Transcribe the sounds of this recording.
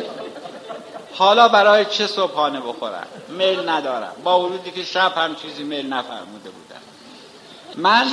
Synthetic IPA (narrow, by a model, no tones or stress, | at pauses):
hɒːlɒːbæɾɒːjet͡ʃʰesobhɒːneboxo̰ɾæ̰mmelnæd̪ɒːɾæ̰mbɒːvoɾuːd̪iːkʰeʃæb̥hæmt͡ʃʰiːziːmelnæfæ̰ɾmuːd̪e̞bṵːd̪æ̰m | mæn